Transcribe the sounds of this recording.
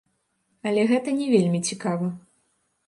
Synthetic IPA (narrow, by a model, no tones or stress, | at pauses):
ɐlʲɛɣɛt̪ɐnʲɛvʲelʲmʲit͡sʲikavɐ